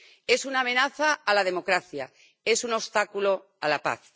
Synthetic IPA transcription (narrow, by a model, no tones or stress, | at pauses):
e̞sunaːmẽ̞naθaːlað̞e̞mo̞kɾaθja | e̞sunost̪akulo̞ | alapa̰θ